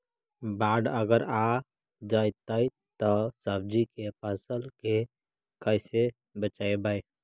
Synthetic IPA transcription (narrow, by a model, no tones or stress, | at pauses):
baɖəɡəɾa | d͡ʒajt̪əj | t̪ɔsəb̚d͡ʒikepəsəlke | kəɪse | bət͡ʃaebaj